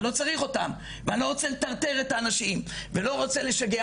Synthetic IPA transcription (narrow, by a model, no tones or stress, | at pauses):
lo̞t͡saʁiχo̞t̪am | veanloʁot͡selet̪aʁt̪e̞ʁet̪aːnaʃimvelo̞ʁo̞t͡sele̞ʃaɡe